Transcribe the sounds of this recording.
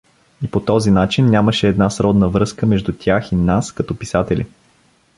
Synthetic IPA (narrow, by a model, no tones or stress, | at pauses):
ipot̪ɔzinat͡ʃinːʲaməʃɛːd̪nasɾɔd̪nəvɾɤskəmɛʒd̪ut̪ʲjaxinaskɐt̪ɔpisat̪ɛlʲḭ